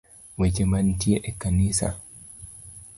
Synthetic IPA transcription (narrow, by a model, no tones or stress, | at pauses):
wɛt͡ʃɛmantiɛʔɛkːaniːsa̰